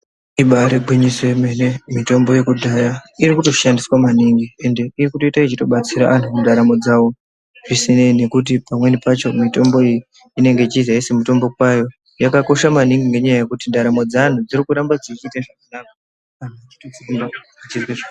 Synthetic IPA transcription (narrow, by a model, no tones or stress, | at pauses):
iɓaɾeɡʱwiɲiswemenemito̞mbo̞je̞kudʱajaiɾikuto̞ʃandiswamaniŋɡie̞nde̞irikuto̞itait͡ʃito̞ɓat͡siɾaʔan̤uundaɾamo̞d͡zawo̞ | ʐisine̞ine̞kut̬ipamwe̞nipat͡ʃo̞mito̞mbo̞iji | ine̞ŋɡe̞it͡ʃizaesemuto̞mbo̞k̚wajo̞ | jakako̞ʃamaniŋɡiŋɡe̞ɲajajekutindaɾamo̞d͡zan̤ud͡zirikuɾambad͡zit͡ʃitaʐakanaka | kan̤at͡ʃi̥tod͡ziimba | at͡ʃizweʐa